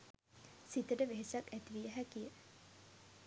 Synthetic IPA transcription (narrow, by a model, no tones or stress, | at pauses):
sit̪əɖəʋeɦesaket̪ʋiəɦækijə